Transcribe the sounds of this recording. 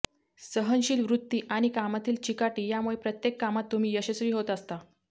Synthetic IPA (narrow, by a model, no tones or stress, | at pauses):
səɦənɕiːlʋɾut̪ːiːʔaɽ̃ikamat̪iːlt͡ɕikaʈiːjamuɭepɾət̪jekːamat̪ːum̤iːjəɕəsɾiːɦot̪əst̪a